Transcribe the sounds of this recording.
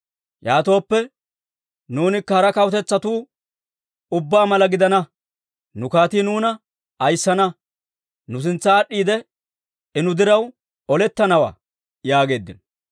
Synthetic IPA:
jaːt̪o̞ːpːɛ | nuːnɪkːɐhɐɾɐkɐwt̪ɛt͡sːɐt̪uː | ʊbːaːmɐlɐɡɪd̪ɐnɐ | nʊkaːt̪iːnuːnɐ | ɐjsːɐnɐ | nʊs̬ɪnt͡sːɐːɗːiːd̪ɛ | ɛnʊd̪ɪɾɐw | ɔlɛt̪ːɐnɐwa̰ː | jaːɡe̞ːd̪ːɪnɔ

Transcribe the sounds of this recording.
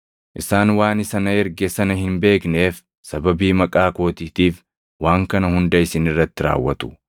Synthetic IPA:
ʔɪsaːnwaːnɪsɐnɐɛɾɡɛsɐnɐhɪnbe̞ːkne̞ːf | sɐbɐbiːmɐkʼaːko̞ːt̪iːt̪iːf | waːŋkɐnɐhʊnd̪ɐɪsɪnɪrːɐt̪ːɪɾa̰ːwːɐt̪ʊ̥

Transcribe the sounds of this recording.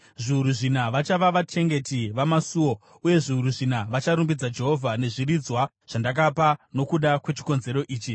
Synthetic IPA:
ʐiuɾuʐinaʋat͡ʃaʋaʋat͡ʃʰe̞ŋɡe̞tiʋamasuo̞ | uje̞ʐiuɾuʐinaʋat͡ʃaɾumbid͡zad͡ʒe̞ɦo̞vʱane̞ʐirid͡zwa | ʐ̥andak̬apano̞kuɗakwe̞t͡ʃi̥ko̞nze̞ɾo̞ʔiːt͡ʃi

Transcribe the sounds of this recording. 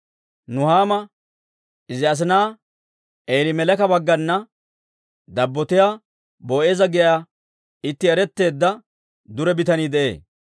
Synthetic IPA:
nʊhaːmɐ | ɪzɪɐs̬ɪnaː | eːlɪmɛlɛkɐbɐɡːɐnːɐ | d̪ɐbːɔt̪ɪjaː | boːʔeːzɐɡɛja | ɪt̪ːɪɛɾɛt̪ːe̞ːd̪ːɐ | d̪ʊɾɛbɪt̪ɐniːd̪ɛʔe̞̰ː

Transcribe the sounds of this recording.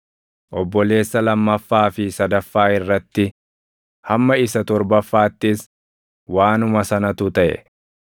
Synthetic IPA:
ʔɔbːɔle̞ːsːɐlɐmːɐfːaːfɪsɐd̪ɐfːaːɪrːɐt̪ːɪ | hɐmːɐɪsɐt̪ɔɾbɐfːaːt̪ːɪs | waːnʊmɐsɐnɐt̪ʊt̪ɐʔɛ̰

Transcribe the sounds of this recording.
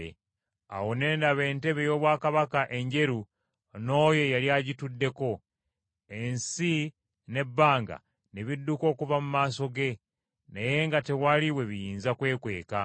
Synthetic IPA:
ḛ | a̰wo̞ne̞ːndaβe̞ːnte̞βe̞jo̞ːβwaːkaβakaʔe̞ɲɟe̞ɾu | no̞ːje̞jaljaɟitudːe̞ko̞ | ensi | ne̞bːaːŋɡa̰ | neβidːuko̞ːkuvamumaːso̞ɡe̞ | naje̞ŋɡate̞waliwe̞βijiːnzakwe̞ːkwe̞̰ːka

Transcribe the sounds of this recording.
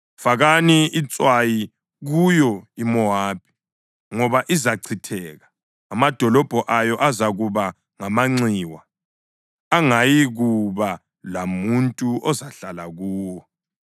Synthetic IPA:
faɣaniit͡sʼwaji | ɣujɔimɔaːb̥ʱi̥ | ŋɔβaʔizaǀʰitʰɛːɣa | amad̥ʱɔlɔb̥ʱɔʔajɔʔazaɣuβa | ŋamaŋ͡ǀiːwa | aŋajiɣuβa | lamuntʼuʔɔzaɬalaɣuːwɔ

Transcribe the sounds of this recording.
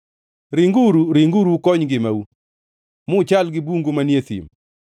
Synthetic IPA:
ɾiŋɡuɾuɾɪŋɡuɾukɔɲɡɪmau | mʊt͡ʃalɡɪbuŋɡomanjet̪ḭm

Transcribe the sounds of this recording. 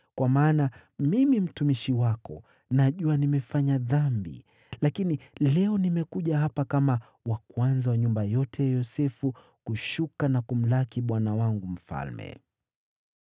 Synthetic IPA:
kwamaːna | mimim̩tumiʃiwakɔ̰ | naʄuanimɛfaɲaðambḭ | lakinilɛɔnimɛkuʄahapakama | wakwanzawaɲumbajɔtʰɛjɔsɛfu | kuʃukanakum̩lakiɓwanawaŋɡum̩fa̰lmɛ̰

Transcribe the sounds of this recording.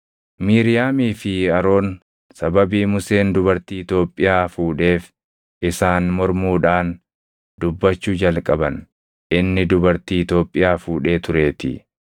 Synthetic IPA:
miːɾɪjaːmiːfɪɐɾo̞ːn | sɐbɐbiːmʊse̞ːnd̪ʊbɐɾt̪iːɪt̪o̞ːpʼːɪjaːfuːᶑe̞ːf | ɪsaːnmɔɾmuːᶑaːn | dd̪ʊbːɐt͡ʃːuːd͡ʒɐlkʼɐbɐn | ʔɪnːɪd̪ʊbɐɾt̪iːɪt̪o̞ːpʼːɪjaːfuːᶑe̞ːt̪ʊɾe̞ːt̪ɪ̰

